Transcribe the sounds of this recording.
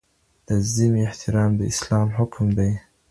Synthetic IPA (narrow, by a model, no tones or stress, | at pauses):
d̪̥əzimiɪht̪ʰɪɾɑːmd̪əɪslɑːmɦʊkʰmd̪aj